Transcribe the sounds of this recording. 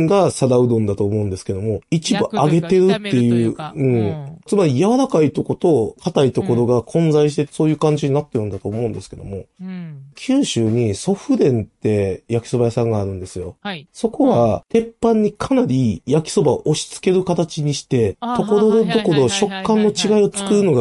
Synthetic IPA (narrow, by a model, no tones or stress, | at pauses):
ŋɡasad̪aɯ̟d̪õnd̪at̪o̞ːmo̞ɯ̃nd̪e̞sɨ̥ke̞d̪o̞mo̞it͡ɕibɯ̟aɡe̞t̪e̞ɾɯ̟t̪ːe̞jɯ̟ːɯ̟̃ɴt͡sɨmaɾʲijaβaɾakait̪o̞ko̞t̪o̞kʰat̪ait̪o̞ko̞ɾo̞ɡakʰõ̞nzaiɕ̬i̥t̪e̞so̞ːjɯ̟ːkãɲ̟d͡ʑiɲ̟inat̪ːe̞ɾɯ̟nd̪at̪oːmo̞ɯ̃nd̪e̞sɨ̥ke̞d̪o̞̰mo̞ | kʲʰɨːɕɨːɲ̟iso̞ɸɯ̟d̪ẽ̞nt̪e̞jakʲi̥so̞bajasãŋɡaːɾɯ̟̃nd̪e̞sɨjo̞so̞ko̞βat̪ẽ̞pːãɲ̟ːikʰanaɾʲijakʲi̥so̞baoʔoɕi̥t͡sɨ̥ke̞ɾɯ̟kat̪at͡ɕiɲ̟iɕi̥t̪e̞t̪o̞ko̞ɾo̞d̪d̪o̞ko̞ɾo̞ɕo̞kːãnːo̞t͡ɕiɡaio̞t͡sɨ̥kɯ̟ɾɯ̟no̞ɡa